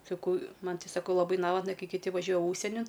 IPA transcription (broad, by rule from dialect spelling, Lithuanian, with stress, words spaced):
sɐˈkɐʊ ˈmɐn tʲɪ sɐˈkɐʊ lˠɐˈbɐɪ ˈnɑːʋɐtnɐ ˈkɐɪ kʲɪˈtʲɪ ʋɐˈʒʲuɔjɛ ˈuːʃʲsʲiɛnʲɪn